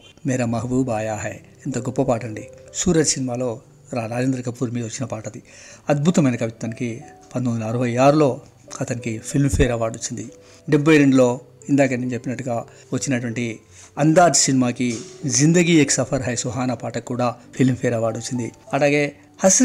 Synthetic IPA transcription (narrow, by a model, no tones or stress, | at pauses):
mɛːɾɐmɐɦɐʋubaːjaːɦɐj | ent̪ɐɡɔpːɐpaːʈɐɳɖisuːɾɐɾsinimaːlo̞ː | ɾaːnaːd͡ʒeːnd̪ɾɐkɐpːuːɾmiːd̪ɐʋɐt͡ʃːinɐpaːʈɐd̪i | ɐd̪̚bʱut̪ɐmɐjnɐkɐʋit̪ɐnikipɐnt̪ond̪lɐːɾɐʋɐjaːɾulo̞ː | ɐt̪ɐnikipʰilmpʰɛːɾɐʋaːɽot͡ʃːind̪i | ɖebːɐjɾeɳɖulo̞ː | ind̪aːk̬ɐnːint͡ʃepːinɐʈːuɡaː | ʋɐt͡ʃːinɐʈʋɐɳʈi | ɐnd̪aːd͡ʒsinimaːkizind̪ɐɡiːeksɐpʰɐɾɦɐjsuɦaːnɐpaːʈɐkːuːɽaːpʰilmpʰɛːɾɐʋaːɽot͡ʃːind̪iɐlaːɡe̞ː | hɐsɾ